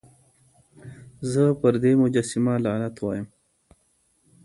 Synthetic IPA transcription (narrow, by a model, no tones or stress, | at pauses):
zəpəɾd̪emʊd͡ʒasimalɑːnat̪wa̰ːjəm